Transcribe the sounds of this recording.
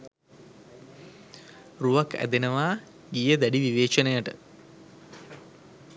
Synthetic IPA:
ruʋakʰæ̰d̪enəʋaː | ɡijəd̪æɖiʋiʋeːt͡ʃənəjəʈə̰

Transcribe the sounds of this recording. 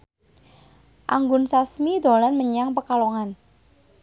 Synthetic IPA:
ʔaŋɡʊnsasmid̪o̤lanməɲaŋpəkaloŋan

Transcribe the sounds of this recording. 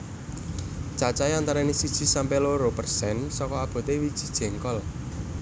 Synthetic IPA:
t͡ʃat͡ʃaeant̪aɾanisid̥ʒ̥i̤sampeloɾopərsɛnsɔkɔab̥ɔ̤t̪ewid̥ʒ̥i̤̥d̥ʒ̥ɛ̤ŋkɔl

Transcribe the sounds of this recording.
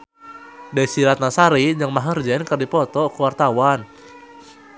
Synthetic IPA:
dasiɾat̪̚nasaɾid͡ʒaŋmaɦərd͡ʒɛnkərdipɔt̪ɔkuwart̪awan

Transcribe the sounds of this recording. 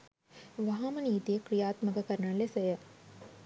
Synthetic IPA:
ʋɐɦãmɐniːt̪ekɾijaːt̪məkɐkɐɾnalesɐjɐ

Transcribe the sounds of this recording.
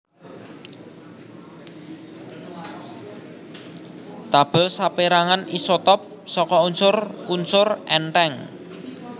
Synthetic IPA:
t̪ab̥əlsapeɾaŋanisɔt̪ɔp̚ | sɔkɔunsʊrunsʊrʔɛnʈɛŋ

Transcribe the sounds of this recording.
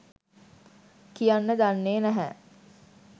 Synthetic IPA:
kijanːəd̪anːeːnæɦɛ

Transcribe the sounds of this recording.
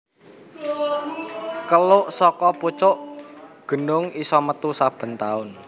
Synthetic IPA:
kəlʊʔsɔkɔput͡ʃʊʔɡ̥ə̤nʊŋisɔmət̪usab̥ə̤nt̪aʊn

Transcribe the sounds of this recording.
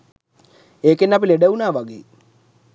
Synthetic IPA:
eːkenːap̬ileɖeunaːʋaɡḛː

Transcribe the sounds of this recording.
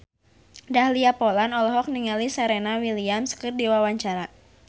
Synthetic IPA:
dahliapɔlanɔlɔɦɔk̚niŋalisaɾenawiliamskərdiwawaɲt͡ʃaɾa

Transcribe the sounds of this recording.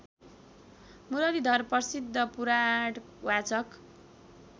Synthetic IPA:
muɾʌlid̪ʱʌrpʌsid̪ʱːʌpuɾaɽ | wat͡sʌk

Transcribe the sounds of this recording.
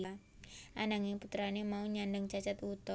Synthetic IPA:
a | ʔanaŋeput̪ɾanemauɲandaŋt͡ʃat͡ʃat̪wut̪ɔ

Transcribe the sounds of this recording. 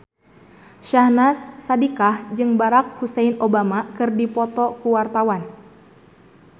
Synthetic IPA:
ʃahnasːadikahd͡ʒɨŋbaɾak̚husɛjnobamakɨrdipɔt̪ɔkuwart̪awan

